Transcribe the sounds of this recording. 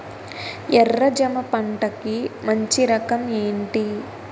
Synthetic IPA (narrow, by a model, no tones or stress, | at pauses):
ɛrːɐd͡ʒɐmɐpɐɳʈɐkimɐɲt͡ʃiɾɐkɐme̞ːɳʈi